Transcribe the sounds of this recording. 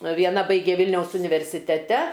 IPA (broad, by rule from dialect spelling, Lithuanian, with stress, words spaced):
ʋʲiɛˈnɐ ˈbɐɪɡʲeː ˈʋʲɪlʲnʲɛʊs ʊnʲɪʋʲɛrʲsʲɪtʲɛˈtʲɛ